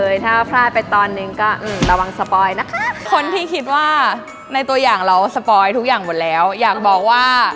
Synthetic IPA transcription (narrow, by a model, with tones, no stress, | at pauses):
ɤː˧jt̪ʰaː˥˩pʰɾaː˥˩pa˧jt̪ɔː˧nːɯ˧ŋkɔː˥˩ʔɯː˧˩mɾa˧wa˧ŋsa˧pɔː˧jna˦˥kʰa˦˥kʰo˧nt̪ʰiː˥˩kʰi˦˥t̪̚waː˥˩ | na˧jt̪u˧ɐjaː˨˩ŋɾa˧wsa˧pɔː˧jt̪ʰu˦˥k̚jaː˨˩ŋmo˨˩t̪̚lɛː˦˥wjaː˨˩k̚bɔː˨˩k̚waː˥˩